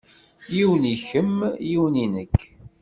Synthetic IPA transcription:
jiwəniçəmjiwəninəkː

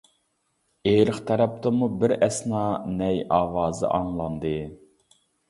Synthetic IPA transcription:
eɾɨχt̪ʰɛɾɛp̚t̪ɨmubɪɾɛsnɑnɛjɑːwɑːzɨ̰ʔɑŋlˠɑnd̪ɨ

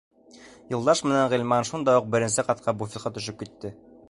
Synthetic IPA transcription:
jɤ̆lˠd̪ɑʃmɘ̆næɴʁilʲmɑnʃund̪ɑjuq̚bɘ̆ɾɘ̆nsɘqɑt̪̚qʰɑbufʲit̪qɑt̪ɵ̆ʃɵp̚kit̪ːɘ

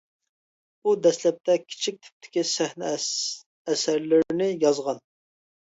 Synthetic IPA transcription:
ud̪ɛslɛp̚t̪ʰɛkʲʰi̥t͡ʃʰik̚ʲt̪ʰy̥p̚t̪ʰɪ̥kʲisæhn | ɛsæɾlɪɾnɪjɑzʁɑn

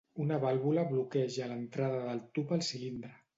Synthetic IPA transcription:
unəβalˠβuləβlukɛʒələnt̪ɾaðəðəlˠt̪upəlˠsilind̪ɾə

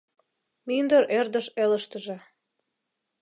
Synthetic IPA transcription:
mind̪əɾʔerd̪əʃeləʃt̪əʒe

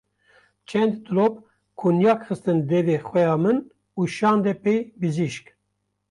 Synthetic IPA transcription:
t͡ʃʰɛnd̪t̪ɨlop̚ | kʰunjɑːkxɨst̪ɨnd̪ɛveːxʷɛjɑːmɨn | uːʃɑːnd̪ɛpejbɨziʃk

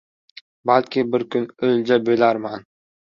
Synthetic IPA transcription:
balkʲʰɪbɪɾkʰʲʊnɵlʲd͡ʒabølaɾman

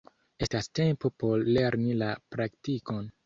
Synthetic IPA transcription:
e̞staste̞mpopo̞ɾːe̞ɾnilapɾaktiko̞n

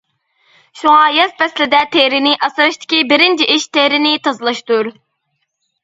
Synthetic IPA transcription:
ʃuŋɑːjɛsbɛslɪd̪ɛt̪ʰehɾɪnɪʔɑsɾɑʃt̪ʰɪ̥kʲibɪɾɪnt͡ʃʰiʔiʃt̪ehɾɪnɪt̪ʰɑzɨlˠɑʃt̪uɾ

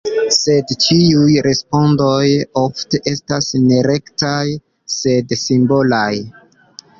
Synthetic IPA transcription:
se̞dt͡ʃiujɾe̞spo̞ndo̞jofte̞ʔe̞stasne̞ɾe̞ktaj | se̞dsimbo̞laj

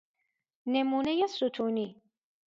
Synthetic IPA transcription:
nemuːnɛjasut̪ʰuːni

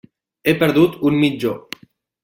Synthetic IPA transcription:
epeɾðut̪unmid͡ʒo

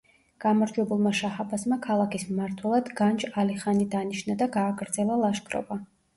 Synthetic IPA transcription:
ɡ̥amaɾd͡ʒwɛbulˠmaʃahabasmakʰalˠakismaɾt̪ʰwɛlˠad̪ɡand͡ʒaliχanid̪aniʃnad̪aɡaːɡɾd̪zɛlˠalˠaʃkʰʼɾɔ̰ba

